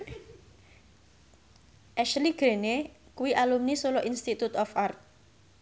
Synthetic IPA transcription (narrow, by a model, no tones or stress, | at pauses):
ʔɛʃliɡ̥ɾene | kuwiʔalumnisolɔʔinst̪it̪ut̪ɔfart̪̚